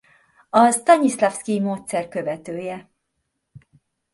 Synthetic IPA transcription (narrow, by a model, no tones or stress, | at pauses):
ɒst̪ɒɲislafskimoːt̪sɛrkø̞vɛt̪øːjɛ